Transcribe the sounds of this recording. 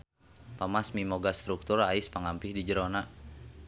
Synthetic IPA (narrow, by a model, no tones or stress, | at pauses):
pamasmimoɡast̪ɾuk̚t̪uraɪspaŋampɪhdid͡ʒəɾona